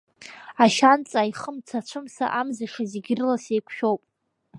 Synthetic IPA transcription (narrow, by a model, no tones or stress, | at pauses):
aʃant͡sʼajχəmt͡sʰat͡ʃʷʰɨmsa̰ʔamzaʂaziɡʲɪrɨlasejkʷʰʃᶣo̞wpʼ